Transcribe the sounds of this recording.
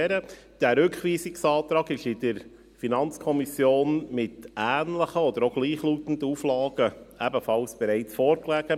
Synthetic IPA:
ɛɾə | d̥æːɾʉkχʋiːsɪksɑːt̪ɾɑːɡɪʃɪd̥əɾ | finɑnt͡skʰɔmisjoːnmɪtæːnləχəɔd̪əɾoɡ̥liːχluːtən̩dəuflɑːɡ̥əæbəfɑlsb̥ɛɾæɪt͡sfoːɾklæɡ̥ə

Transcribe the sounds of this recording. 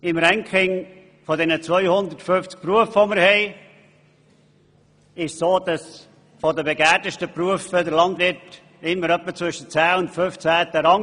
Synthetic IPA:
ɪmɾɛŋkχɪŋ | fɔdɛnət͡svœʏhʊnd̪ətfʏnft͡sk̚pɾuəfʋoməɾhɛɪ | ɪʃsoːd̥ɑs | fɔdəbeɡæːdəʃtəpɾuəfədəɾlɑndvɪt | ɪmːəɾœpːət͡svʏʃət͡sæːʊntføft͡sæːt̪əɾɑŋ

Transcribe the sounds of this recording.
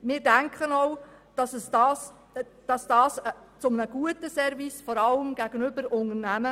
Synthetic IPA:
mɪːɾdæŋkʰχənɔʊd̥ɑsəsd̥ɑːs | d̥ɑsd̥ɑːsə | t͡sʊmnəɡ̥uətəsɛɾvisfɔɾɑləmɡ̥æɡ̥ənʏbəɾʊnərnæmə

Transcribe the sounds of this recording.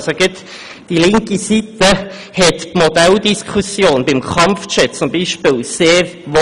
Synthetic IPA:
soɡɪt̪ | d̥ilɪŋkisit̪ə | hɛt̪pmod̥ɛld̪iskʰusjoːnbɪmkʰχɑmft͡ʃɛt̚t͡sʊmbiːʃpɪːlseːɾʋo

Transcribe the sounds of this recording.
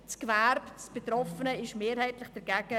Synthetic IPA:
t͡skvæɾbt͡sb̥et̪rɔfənəɪʃmeːɾhɛɪtlɪχd̥ɛɾɡ̥æɡ̥ə

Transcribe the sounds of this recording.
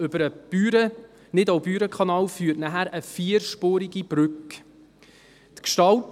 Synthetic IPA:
ʏbəɾəb̥yɾə | nɪdowbyːɾəkʰɑnɑːlfyːtnæɦæɾəfiəɾʃpoːɾiɡib̥ɾʉk | tkʃtɑlt

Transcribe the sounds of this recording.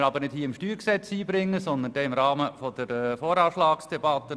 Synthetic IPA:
əɾɑbəɾnɪdthiːəɪmʃtyːɾksɛt͡siːbɾɪŋːəsɔnd̪ənd̥ɛːɪmɾɑːməfɔd̪̥əɾɛfoːɾɑːʃlɑːksd̥ɛbɑt̪ːə

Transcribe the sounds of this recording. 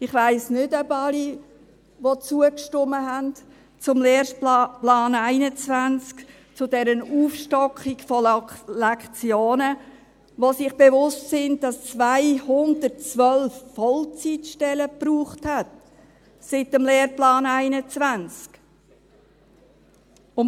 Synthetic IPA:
ɪχʋaɪsnʏdœbɑli | ʋot͡suəkʃtʊməɦænt | t͡sʊmleːɾplɑːnæɪnət͡svænt͡sk | t͡sʊdɛɾənuːfʃtɔkikfɔlɛkχt͡sjoːnə | ʋosɪχb̥evʊstsɪnddɑst͡svaɪhʊndət̚t͡sʋœlfːɔlt͡sitʃtɛləpruːχthæt | sɪtəmleːrplɑːnæɪnət͡svænt͡sk | ʊn

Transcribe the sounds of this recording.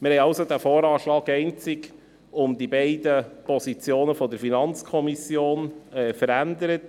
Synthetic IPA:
mɪɾhɛɪjɑʊsod̪æːfoːɾɑːʃlɑːkɛɪnt͡sɪk | ʊmd̪ibɛɪdəpʰɔsit͡sjoːnəfɔd̪əɾfinɑnt͡skʰɔmisjoːnɛːfəɾændəɾət

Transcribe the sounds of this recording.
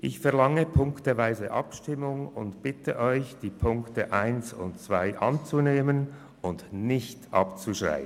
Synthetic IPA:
ʔɪçfɛɐlɑŋəpʰʊŋktəvaɪzəʔɑpʃtɪmʊŋʊntb̥ɪtəʔɔʏçd̥iːpʰʊŋktəʔaɪnsʊ̰ntt͡sv̥aɪʔɑnt͡suneːmən | ʊndnɪçtʔɑ̰pt͡suʃʁa̰ɪə

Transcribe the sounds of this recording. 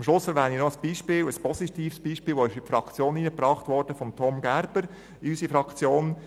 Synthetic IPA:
mʃlʊsfəɾʋæːninɔəsb̥iːʃpɪːləspɔsitiːfsb̥iːʃpɪːlʋɔɪʃɪpfɾɑkt͡sjoːniːnəprɑːχtʋɔːɾd̥əfɔmtʰɔmɡæɾbəɾ | ysifɾɑkt͡sjoːn

